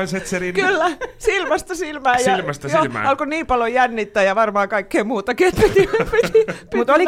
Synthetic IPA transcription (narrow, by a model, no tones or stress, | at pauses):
inset̪serikylːæsilmɑst̪ɑsilmæːjjɑlɑst̪jo̰ɑlkoniːmpɑlojænːit̪ːæːjɑʋɑrmɑːkɑikːeːmuːt̪ɑkiet̪pit̪inepit̪ipmut̪oli